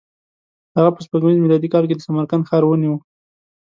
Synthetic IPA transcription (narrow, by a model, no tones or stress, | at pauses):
haɣapəspaɡmizmilɑd̪ikɑlk̬ed̪əsamaɾkanxɑɾwəniwə